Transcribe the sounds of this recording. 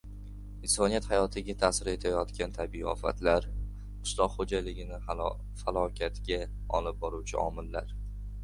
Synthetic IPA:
ɪnsɒnijat̪hajɒt̪ʰɪɡʲat̪ʰaːsɪɾe̞t̪ʰajɒt̪kʲant̪ʰabiiɒ̰fa̰t̪laɾ | ʊ̥slˠɒqhod͡ʒalɪɡʲɪnɪ | falˠɒkʲʰat̪ɡʲa | ɒlɪp̚bɒɾuwt͡ʃʰɪɒ̰mɪlːaɾ

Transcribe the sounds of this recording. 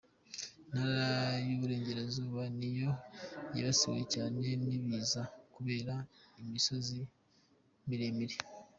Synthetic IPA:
naɾajuβuɾe̞ːɲɟe̞ɾezuːβanijo̞ja̰βasḭβ̰ḛcaːne̞niβiːzakuβe̞ːɾaimiso̞zi | miɾemiɾi

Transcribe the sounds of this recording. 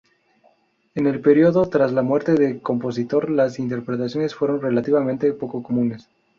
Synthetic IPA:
ene̞lpe̞ɾjo̞ðo̞t̪ɾazlamwe̞ɾt̪e̞ðe̞ko̞mpo̞s̬it̪o̞ɾlasint̪e̞ɾpɾet̪asjo̞nesfwe̞ɾo̞nre̞lat̪iβamẽnt̪e̞po̞ko̞ko̞mũne̞s

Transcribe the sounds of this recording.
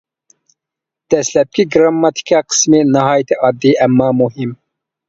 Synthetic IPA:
d̪̥ɛslɛp̚kʲʰiɡɾɑmːɑt̪ʰi̥kʰʲɑqʰə̥smɨnɨɦɑːjt̪ʰiʔɑd̪ːiʔæmːɑːmuɦim

